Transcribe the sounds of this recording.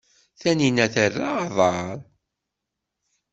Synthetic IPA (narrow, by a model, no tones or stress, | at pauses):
θæninæθərːaːðˤɑɾˤ